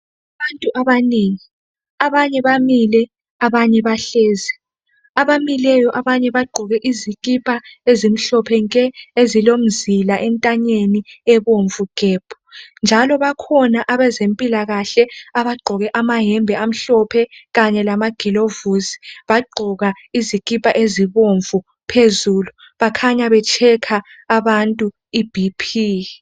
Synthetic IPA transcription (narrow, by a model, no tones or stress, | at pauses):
aβantʼuʔaβaniŋi | aβaɲɛβamilɛ | aβaɲɛβaɬɛːzɛ | aβamilɛjɔʔaβaɲɛβaɡ͡ǃʱɔɣɛʔiziɣʼipʼaezim̩ɬɔpʰɛŋkʼɛezilom̩zilaʔɛntʼaɲeniɛβoɱvuɡ̥ʱɛːb̥ʰʱu̥nd͡ʒʱalɔβakʰɔnaʔaβɛzempʼilaɣaɬɛaβaɡ͡ǃʱɔɣɛʔamaɦɛmbʱɛam̩ɬɔpʰɛɣaɲɛlamaɡ̥ʱilovuzi̥βaɡ͡ǃʱɔɣa | izikʼipʼaʔeziβoɱvu | pʰezulu | βakʰaɲaβɛt͡ʃʰɛkʰaː | βantʼu | ib̥ʱipʰiː